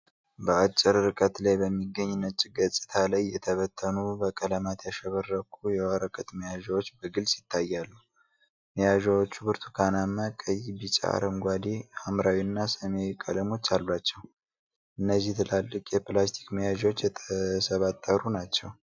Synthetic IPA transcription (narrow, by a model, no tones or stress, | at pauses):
bəat͡ʃʼːɪɾɾɨkʼət̪lajbəmːiɡːəɲːɪnːət͡ʃʼːiɡət͡sʼːɨ̥t̪ʰalajːɛt̪ʰəβət̪ʰːənubəkʼələmat̪jaʃəβərːəkʰujɛwaɾəkʼət̪məjaʒawot͡ʃːbəɡɨlsi̥t̪ʰːajːalːu | məjaʒawot͡ʃːubɨɾt̪ʰu̥kʰanamːəkʼəjibit͡ʃʼa̰a̰ɾəmɡʷad̪iamɾawiɨnːasəmewkʼələmo̞t͡ʃːalbat͡ʃːɛw | ʔɨnːəzːiht̪ʰɨlalːɨkʼjɛplast̪ʰi̥kməjaʒwot͡ʃːjɛt̪ʰəsəβat̪ʼːəɾunat͡ʃːɛw